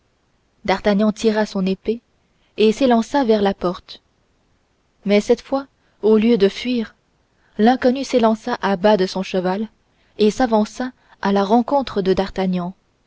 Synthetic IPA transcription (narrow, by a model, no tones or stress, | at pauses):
d̪aʁt̪aɲɑ̃t̪iʁasɔ̃nepe | eselɑ̃savɛʁlapɔʁt̪ | mɛsɛt̪fwa | oljød̪əfɥiːʁ | lɛ̃kɔnyselɑ̃saʔabad̪əsɔ̃ʃəval | esavɑ̃sa | alaʁɑ̃kɔ̃t̪χəd̪əd̪aʁt̪aɲɑ̃